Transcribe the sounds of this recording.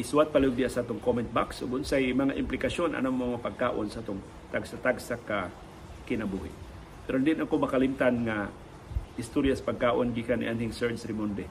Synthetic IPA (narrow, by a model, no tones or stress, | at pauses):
suwat̪̚palɐoɡ̚d̪ɪjasɐʔaːt̪oŋkomɛnt̪̚baksʔoɡʊnsajmɐŋaʔɪmplɪkaso̞nʔɐ̰nammɐŋapɐɡ̚kaːʔonsɐʔat̪oŋ | t̪aɡsat̪aɡsaka | kɪnɐbuːhɪ̰ʔ | pɛɾond̪iʔnʔɐkomɐkɐlɪmt̪anŋa | ʔɪst̪oɾjasɐ̥pɐɡ̚kaːʔonɡikanɪ̰ʔanhɪŋsɛɹsɾɪmond̪ɛ